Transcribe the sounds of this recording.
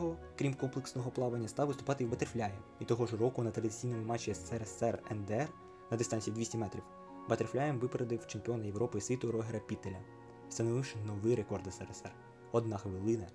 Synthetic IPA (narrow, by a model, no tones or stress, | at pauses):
ɦɔ | kɾʲimkɔmplˠeksnɔɦɔplˠɑʋɐnʲːɐst̪ɑwʋɪst̪ʊ̥pɑt̪ɪwbɐt̪erflʲajemit̪ɔɦɔʒrɔkʊnɐt̪ɾɐd̪ɪsʲijnɔmɪmɑt͡ʃʲːiɛsɛɾɛsɛrɛnd̪eɛr | nɐd̪ɪst̪ɑnʲsʲidʲʋisʲtʲimɛt̪ɾʲiw | bɐt̪erflʲajɪmʋɪpeɾed̪ɪwt͡ʃemʲpʲiɔnɐjewɾɔpɪisʲʋʲit̪ʊɾɔɦeɾɐpʲit̪elʲɐ | st̪ɐnɔʋɪwʃɪnɔʋɪɾe̞kɔrd̪ɐsɛɾesɛr | ɔd̪nɑxʋɪlˠɪnɐ